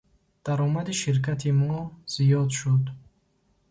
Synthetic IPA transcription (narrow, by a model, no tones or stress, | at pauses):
d̪̥aɾɔmad̪iʃiɾkʰat̪ʰimɔz̥ijɔd̪ʃud̪